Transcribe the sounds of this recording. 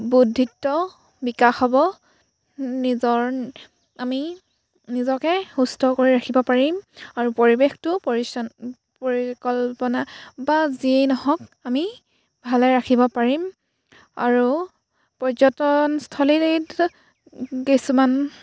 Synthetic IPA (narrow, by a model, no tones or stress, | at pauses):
budʱːitːɔ | bikaxɔbɔ | nizɔɹ | ami | nizɔkɛxustʰɔkoɹiɹakʰibɔpaɹimaɹupoɹibextʊpi | poɹikɔlpɔnabaziejnɔhɔkami | bʱalɛɹakʰibɔpaɹim | a̰ɹu | pɔzɔtɔnstʰɔlitet | kisuman